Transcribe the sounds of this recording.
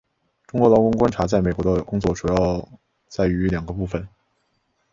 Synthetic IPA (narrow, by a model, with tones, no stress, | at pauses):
ʈ͡ʂʊ˥ŋkwɔ˧˥lɑ˧˥ʊkʊ˥ŋkwa˥nʈ͡ʂʰa˧˥t͡sa˥˩ɪme˨˩kwɔ˧˥ə˧kʊ˥ŋt͡swɔ˥˩ʈ͡ʂu˨˩jɑ˥˧ʊ | t͡sa˥˩ɪy˧˥ljɑ˨˩ŋɡə˦pu˥˩fə˩n